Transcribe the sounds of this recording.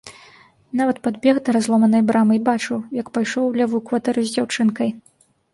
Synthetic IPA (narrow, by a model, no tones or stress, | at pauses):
navɐt̪̚pad̪bʲɛɣd̪ɐɾazlˠɔmɐnɐjbɾʔamɨjbat͡ʂɨwjɐkpajʂɔwlʲavukvat̪ɛɾɨzʲd͡zʲawt͡ʂɨnkɐj